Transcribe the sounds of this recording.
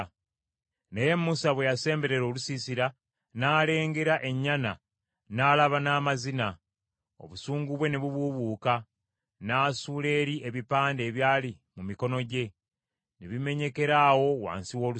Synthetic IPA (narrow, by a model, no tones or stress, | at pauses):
neje̞mːusaβwe̞jase̞ːmbe̞ɾe̞ɾo̞ːlusisiɾa | naːle̞ːŋɡe̞ɾaʔe̞ɲːana | naːlaβanaːmazina | o̰βusuːŋɡuβwe̞neβuβuβuːka | naːsuːle̞ːɾiʔeβipaːnde̞ːβjaːli | mumiko̞no̞ɟe̞ | neβime̞ɲe̞ke̞ɾaːwo̞wa̰ːnsiwo̞ːlu